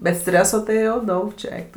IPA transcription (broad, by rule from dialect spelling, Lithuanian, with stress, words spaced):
bʲɛt ˈsʲtʲrʲæːsoː tɐɪ jɛʊ ˈdɐʊk t͡ʃʲɛ ˈɛɪk tʊ